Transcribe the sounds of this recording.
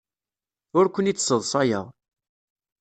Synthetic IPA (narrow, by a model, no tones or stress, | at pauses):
ʊɾkʷənit͡sːsːəðˤsˤɑjə̰ðˤ